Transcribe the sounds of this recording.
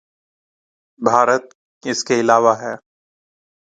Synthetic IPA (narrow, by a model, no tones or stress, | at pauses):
bʱaːɾət̪̚ | ɪskeɪlaːʋaɦɛː